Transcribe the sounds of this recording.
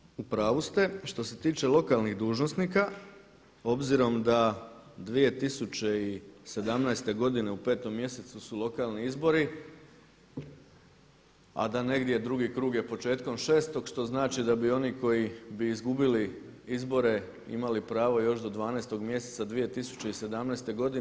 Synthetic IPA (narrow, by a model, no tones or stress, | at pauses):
upɾaːʋust̪e̞ʃt̪o̞se̞t̪iːt͡ʃe̞lˠo̞kalˠniɣd̪uːʒnosnika | o̞bziɾo̞md̪ad̪ʋije̞t̪isut͡ɕe̞ise̞d̪amnaest̪e̞ɡo̞d̪ine̞upe̞ːt̪o̞mːje̞se̞t̪susulˠo̞kaːlˠniizbo̞ɾi | a̰d̪ane̞ɡd̪je̞d̪ɾuɡikɾuːɡje̞po̞t͡ʃe̞ːt̪ko̞mʃe̞ːst̪o̞ɡʃt̪o̞znaːt͡ʃid̪abio̞niko̞jibiːzɡubili | izbo̞ɾe̞ | ḭmalipɾaːʋo̞jo̞ʃd̪o̞d̪ʋaːnast̪o̞ɡmje̞set̪sad̪ʋije̞t̪isu̥t͡ɕe̞ise̞d̪amnaest̪e̞ɡo̞d̪i